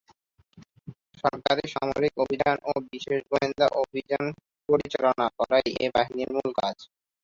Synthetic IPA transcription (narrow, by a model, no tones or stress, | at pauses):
ʃɔɾkaɾeʃamo̰ɾikobʱid̪ʱanʔobiʃeʃɡoind̪ʱaʔobʱid͡ʑan | poɾit͡ɕalonakɔɾajebaɦiniɾmulkad͡ʑ